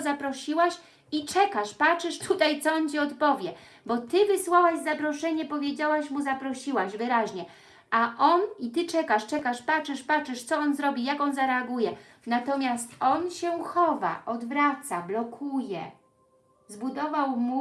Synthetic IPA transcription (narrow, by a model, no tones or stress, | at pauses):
zapɾɔɕiwaɕ | it͡ʂɛkaʂpat͡ʂɘʂt̪ʰut̪ajt̪sɔɔnt͡ɕiɔt̪pɔvʲjɛ | bɔt̪ɘvɘswawaʑzapɾɔʂɛɲɛpɔvʲjed͡ʑawaɕmuzapɾɔɕiwaʑvɘɾaʑɲɛ | aʔɔnit̪ɘt͡ʂɛkaʂt͡ʂɛkaʂpat͡ʂɘʂpat͡ʂɘʂt̪sɔɔnzɾɔbʲijakɔnzaɾɛaɡujɛ | nat̪ɔmʲjast̪ɔnɕɛwxɔva̰ʔɔd̪vɾat̪sablɔkʰujɛ̰ | zbud̪ɔvawmu